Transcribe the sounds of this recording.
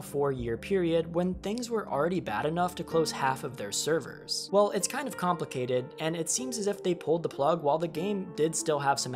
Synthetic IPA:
fɔɹjɪɹpʰɪɹiɨd̚wə̃nθɪ̃ŋzwə˞ʔl̩ˠɹɛɾibæ̰ɾɨnʌftʰɨkʰl̥oʊz̥hæfʌvðə̰˞sɜ˞və̰˞z̥wɛlˠʔɨtskʰãɪ̃ndʌv̥kʰɑ̃mpləkʰeɪɾɪɾɨ̃nɨtsĩmzɨzɨfðeɪpʰʊlˠd̪̚ðəpʰl̥ʌɡwaɪlˠðɨɡẽɪ̃mdɪdstɪlˠəv̥sʌ̃m

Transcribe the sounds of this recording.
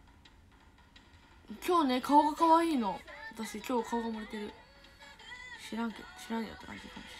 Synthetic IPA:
kʲo̞ːne̞kʰaoɡakaβaiːno̞d̪asikʲo̞ːkʰaoɡamoɾit̪e̞ɾɯ̟ | ɕiɾãŋkḛɕiɾãnjo̰t̪ːoka̰t̪ik̪ãn

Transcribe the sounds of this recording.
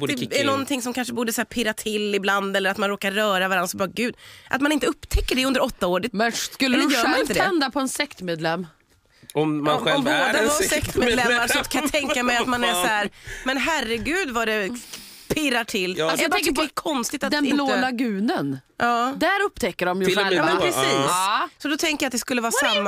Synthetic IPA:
d̪ɛɛnɔnt̪ʰɪŋsɔmkʰanʂəbuːɖ̪əsæːɾpʰɪɾat̪ʰɪlɪbland̪ɛlːəɾat̪manɾoːkaɾːœːɾavaɾansɔbɑːɾaɡʉ̟ːd̪ʔa̰t̪manɪnt̪əɵpːt̪ʰɛkːəɖɛɵnd̪əɾɔt̪ːaoːɖət̪mɛk̪ːɛljœːɾɪt̪əd̪ɛnd̪apʰɔɛnsɛkt̪meːd̪lɛmː | ɔmɔɔmboːd̪asɛkt̪med̪lɛmːaɾsɔt̪kʰajat̪ʰɛŋkːamɛjat̪manæsɔæːɾmɛnɦærəɡʉ̟ːd̪vaɖɛ | pʰɪɾaʈʰɪlːsjb̪ɛŋd̪ɛkʰɔnst̪ɪt̪at̪ɛɪnlolaɡʉ̟ːnənjʔɑːd̪æɾɵpːt̪ʰɛkːəɖɔmjmɛnʰɾɛsiːssɔd̪ɔt̪ʰɛŋkəjat̪̚d̪ɛskɵlːəvɑːsamːa

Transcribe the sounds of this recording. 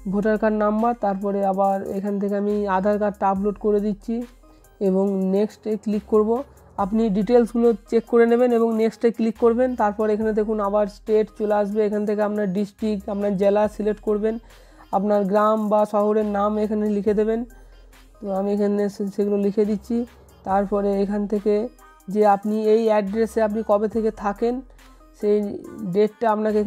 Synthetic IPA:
bʱoʈaɾkaɾnambaɾt̪aɾpɔɾeabaɾekʰanet̪ʰekeamiad̪ʱaɾkaɾʈabloʈkoɾed̪itːɕʰi | eboŋneksʈekːlikːoɾbo | apniɖiʈelsɡulot͡ɕekːoɾeneβeneboŋneksʈekːlikːoɾbent̪aɾpɔɾekʰaned̪ekʰunabaɾsʈeʈt͡ɕoleaʃbeekʰanet̪ʰekeapnaɾɖisʈikʈapnaɾd͡ʑelasileʈkoɾben | apnaɾɡɾambaʃɔɦoɾeɾnamekʰanelikʰed̪eβen | t̪oamiekʰaneʃeɡulolikʰed̪itːɕʰi | t̪aɾpɔɾeekʰant̪ʰeke | d͡ʑeapniejɛɖɾeseapnikɔbet̪ʰeket̪ʰaken | ʃejɖeʈːaapnake

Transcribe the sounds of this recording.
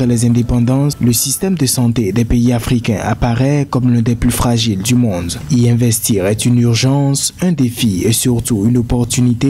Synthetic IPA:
ʁɛlɛzɛ̃d̪epɑ̃d̪ɑ̃sləsist̪ɛmd̪əsɑ̃t̪ed̪ɛpeiafχikɛ̰̃ʔa̰paʁɛkɔmlɛ̃d̪ɛplyfχaʒild̪ymɔ̃d̪iɛ̃vɛst̪iʁɛt̪ynyʁʒɑ̃sɛ̃d̪efiesyʁt̪uynopɔʁt̪ynit̪e

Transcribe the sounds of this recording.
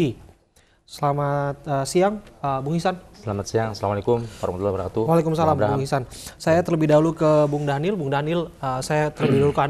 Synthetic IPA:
i | səlamat̪̚əsiaŋəbuŋhisansəlamat̪siaŋsəlamalekʊmfaɾamat̪ulabɾakat̪uwalekumsalamɾabuŋhisansajat̪ərləbihdaulukəbuŋdanɪlbuŋdanɪləsajat̪ərləbihdaɦuluka

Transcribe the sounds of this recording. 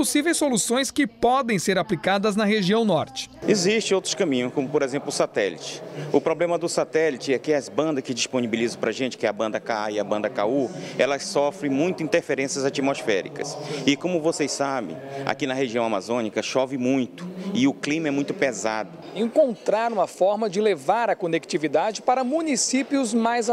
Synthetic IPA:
posivejsolusõj̃skɪpɔd̪ẽj̃seɾaplikad̪ɐznɐɦeʒiɐ̃w̃nɔɾt͡ʃɪ̥eziʃt͡ʃɪ̃owt̪ɾʊskɐ̃mĩɲʊ̃skõmʊpoɾezẽmplʊsat̪ɛlit͡ʃɪ̥ʊpɾoblẽmɐd̪ʊsat̪ɛlit͡ʃɪɛkɪɐzbɐ̃nd̪ɐskɪd͡ʒisponibilizɐ̃pɾɐʒẽnt͡ʃɪ̥kɪɛɐbɐ̃nd̪ɐkaɪɐbɐ̃nd̪ɐkauɛlɐsɔfɾẽj̃mũj̃t̪ʊĩnt̪eɾfeɾẽsjɐzat͡ʃimosfɛɾikɐ̰sɪkõmʊvosejsabḛ̃j̃a̰kinɐheʒiɐ̃w̃amazõnikɐʃɔvɪmũj̃t̪ʊ̥ɪʊklĩmɐɛmũj̃t̪ʊpeza̰d̪ʊ | ẽŋkõnt̪ɾaɾũmɐfɔɾmɐd͡ʒɪlevaɾɐkonek̚t͡ʃivid̪ad͡ʒɪpaɾɐmũnisipjʊzmajz

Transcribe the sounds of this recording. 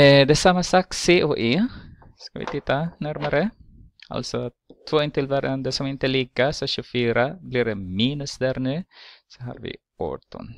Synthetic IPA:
d̪ɛsamːasɑːkseːʔoːʔeː | skaʋɪ̰t̪ʰɪt̪ːanæɾmaɾə | a̰lsɔ | t̪ʰvoːɪnt̪ɪlʋæɾʔand̪əsɔmɛɪnt̪əliːkasɔʃʉfyːɾabliːɾɖɛmiːnʉsd̪æɾnʉːsɔɦɑ̰ːɾʋɪ̰ | o̰t̪ʊ̰n

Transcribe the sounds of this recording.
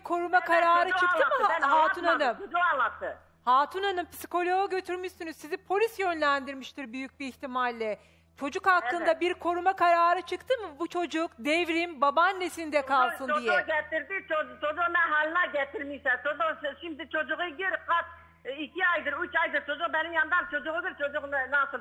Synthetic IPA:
kʰo̞ɾumakʰaɾaːɾɯt͡ʃʰɯk̪ɯmhat̪unanɯmod͡ʒualˠat̪ːɯ | haːt̪ʰunanɯmpi̥si̥ko̞lʲo̞oɟø̞t̪ʰyɾmyʃsynyzsizipʰo̞lʲisjønlʲænd̪iɾmiʃt̪ʰiɾbyjyc̚ʲbiiçt̪imalʲːɛ | t͡ʃʰo̞d͡ʒukhak̪ːˠɯnd̪abiɾkʰo̞ɾumakʰaɾaːɾɯt͡ʃʰɯkt̪ʰɯmɯbut͡ʃʰo̞d͡ʒukd̪evɾimbabanːesind̪ɛkʰalˠsɯnd̪ijɛɡʲɛt̪iɾd̪ɪt͡ʃʰot͡ʃʰod͡ʒuqmɛɦɑːlˠɯnɑɡʲɛt̪ʰiɾmisɛt͡ʃʰod̪ʊʃimd̪ɪt͡ʃʰod͡ʒʊʁɯɡʲiɾqʰɑt̪ | ikʲʰiɑjd̪ɯɾyt͡ʃɑjd̪ɯɾt͡ʃʰod͡ʒuq̚bɛnimjɑnd̪ɑmt͡ʃʰod͡ʒuʁʊɡʲiɾt͡ʃʰod͡ʒuqnnɑs

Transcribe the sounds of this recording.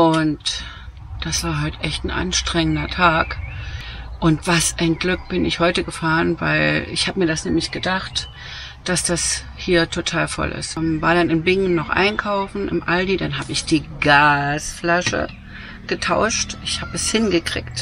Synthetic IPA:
ʔʊnt | d̥asv̥aːɐɦaltʔɛçtn̩ʔa̰nʃtʁ̥ɛŋəndɐtʰaːk | ʔʊntv̥asʔaɪnɡlʏk̚b̥ɪnɪçhɔʏtəɡəfaːʁənva̰ɪlɪ̰çhaːbəmiːɐdasnɛːmlɪçɡ̥ədaχt | d̥asd̥as | hiːɐtʰotʰaːlfɔ̰lʔɪ̰stmvaːɐɾanɪnbɪŋənːɔχʔa̰ɪnkʰaʊfn̩ʔɪ̰mʔaldidanɦaːbəɪçd̥iːɡaːsflaʃə̰ | ɡ̥ətʰaʊʃtɪçhaːbɛshɪnɡəkʁ̥ɪ̰ːkt

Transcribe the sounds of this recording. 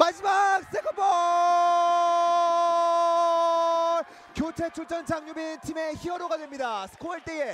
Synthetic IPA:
mad͡ʑimak̚s͈ekʰʌbʌ | kjot͡ɕʰet͡ɕʰuɭt͡ɕʰʌnt͡ɕaŋɲubit͡ɕʰime̞çiʌɾoɡadwe̞mɲidasʰɯ̥kʰoɭt͈ee

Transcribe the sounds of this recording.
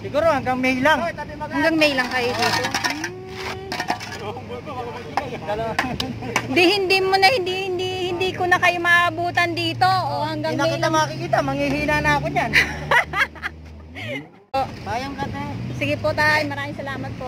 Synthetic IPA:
sɪɡuːɾohaŋɡaŋmɛjlaŋhɐŋɡaŋmɛjlɐŋkɐjoʔoo | ɪnd̪ihɪnd̪imonɐhɪnd̪ihɪnd̪ihɪnd̪iːkonɐkɐjomɐʔɐbuːt̪ɐnd̪iːt̪o̞ʔohɐŋɡaŋnmilamaakikiːt̪amɐŋihiːnanakoɲan | poʔajaŋkɐt̪osɪɡɪpot̪ajmɐɾaːmɪŋsɐlaːmɐt̪̚poʔ

